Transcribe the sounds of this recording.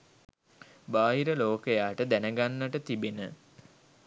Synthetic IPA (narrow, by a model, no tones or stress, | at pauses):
baːɦiɾəloːkəjaːʈəd̪ænəɡanːəʈət̪ibenə